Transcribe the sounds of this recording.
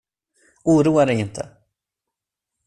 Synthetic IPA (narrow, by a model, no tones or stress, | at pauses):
uːɾuːadɛjɪnt̪ʰə̰